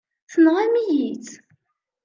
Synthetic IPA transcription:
θənʁæmijit͡s

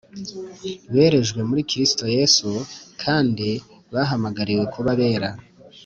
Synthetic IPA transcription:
βe̞ːɾe̞ʒɡwe̞muɾikiɾisi̥to̞je̞sukʰaːndi | βaɦamaɡaɾiwe̞kʰuβaβe̞ːɾa

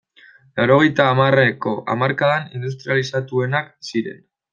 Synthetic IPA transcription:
lawɾo̞ɣe̞jt̪aːmareko̞ʔa̰maɾkaðanind̪ust̪ɾialisat̪ue̞nak̚siɾe̞̰n

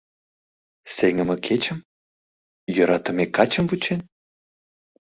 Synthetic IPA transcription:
seŋə̆mə̆kʰet͡ɕə̆m | jøɾɑt̪ə̆mekɑt͡ɕə̆mvut͡ɕen

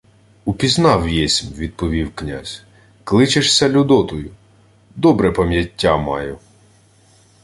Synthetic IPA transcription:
upʲiznɑwjɛsʲmʲʋʲid̪̚pɔʋʲiwknʲa̰zʲ | klˠɪt͡ʃeʃsʲɐlʲʊd̪ɔt̪ɔjʊ | d̪ɔbɾɛpɐmʲjɐtʲːamɑ̰jʊ

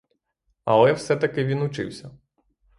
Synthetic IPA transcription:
ɐ̰lˠɛwsɛt̪ɐkɪʋʲinʊt͡ʃɪ̰wsʲɐ

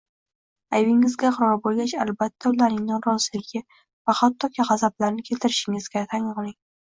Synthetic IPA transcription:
ajvɪŋɪzɡʲaχɨɾɒɾbolˠɡʲat͡ʃalbat̪ʰːaʊlaɾɪŋnɪŋɾɒzɪlɪɡʲɪ | vahat̪ːɒkʰʲiʁɑzablaɾnɪkʲʰe̞lt̪ʰɪɾɪʃɪŋɪzɡʲat̪ʰaŋʁlˠɪŋ

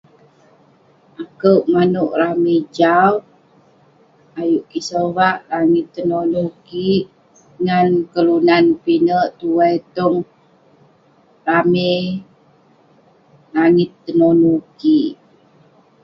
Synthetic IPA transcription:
ʔakəwʔmanuʔramed͡ʒaw | ajuʔkisowaʔlaŋɪt̪ːənonukiʔ | ŋankəlunanpinəʔt̪uwɛjt̪ɔŋ | rame | laŋɪt̪ːənonukiʔ

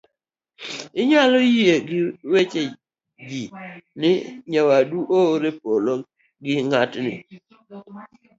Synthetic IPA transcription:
ɪɲalojieɡɪwet͡ʃe | d͡ʒinɪɲawaduʔoɾepolo | ɡɪŋatnɪ̰

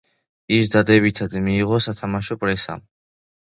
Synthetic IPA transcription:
isd̪ad̪ɛbit̪ʰad̪miːʁɔsat̪ʰamaʃɔpʼɾɛsa̰m

